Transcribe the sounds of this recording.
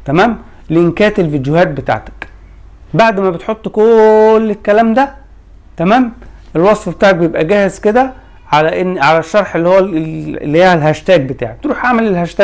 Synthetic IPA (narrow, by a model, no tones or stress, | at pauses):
t̪æmæːm | leʔenkæːt̪elfid̪johæːt̪̚bet̪a̰ʕt̪æ̥k | baʕd̪mæbet̪ħot̪ˤːkolːekːælæːmd̪æ | t̪æmæːmʔelwɑsˤfbe̥t̪aːʕek̚bejebʔæɡæːhezked̪æ | ʕalæʔenːʕalæʃːɑɾˤħelːihowːæelːiheːhælɦæʃt̪æːɡ̚bet̪a̰ːʕek̚t̪ɾuːħʕamælelhæʃt̪æː